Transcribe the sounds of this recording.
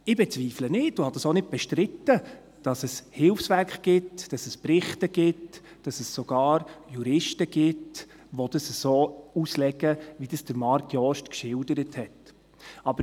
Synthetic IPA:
ɪbɛt͡sviːflənɪtuhɑd̥ɑsonɪd̚b̥ɛʃtɾɪtːə | d̥ɑsɛshɪlfsʋæɾkχɡ̥ɪtd̥ɑsɛspɾɪχtəɡ̥ɪt | d̥ɑsɛsːoɡ̥ɑːɾjuɾɪʃtəɡ̥ɪt | ʋod̥əsəsoːuslɛɡəʋid̥əsd̥əɾmɑɾtʰjɔːʃtkʃɪldəɾəthɛt | ɑbəɾ

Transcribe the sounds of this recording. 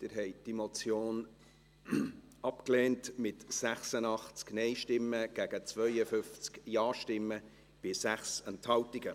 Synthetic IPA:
d̥ɪɾɦɛɪd̥imot͡sjoːn | ɑpkleːntmɪtsæχsənɑχt͡sknɛɪʃtɪmːəɡ̥æɡ̥ət͡svœʏəfʏnft͡skjɑːʃtɪmːə | b̥ɪsæχsɛnthɑltɪɡə

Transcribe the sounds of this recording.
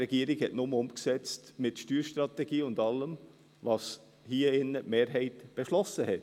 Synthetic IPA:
ɛɡ̥iːɾɪɡhɛtnʊməʊmksɛt͡stmɪtʃtyːɾʃtɾɑtɛɡ̥iːʊndɑləm | vɑs | hiːəɪnəmeːɾɦɛɪtb̥ɛʃlɔsəhɛt

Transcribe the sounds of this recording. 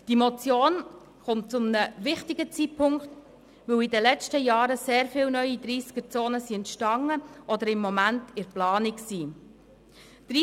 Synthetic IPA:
d̥imɔt͡sjoːn | χʊmt̚t͡sʊmnəʋɪχtɪɡət͡sitpʰʊŋkt | ʋɵwidəlɛt͡stəjɑːɾəseːɾfɪːlnœʏid̪ɾiːskət͡soːnəsiɛntʃtɑŋːəʔɔd̪əɾɪmːɔmæntɪɾplɑːniksiː | d̪̥ɾi

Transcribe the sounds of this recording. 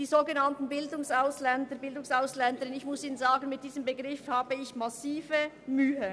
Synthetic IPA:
d̥iːzoːɡənantn̩bɪldʊŋsaʊslɛndəbɪldʊŋsaʊslɛndəɾɪnɪçmʊsiːnənzaːɡən̩mɪt̚d̥iːzəmbəɡʁɪfhaːbəɪçmasiːvə | myːə

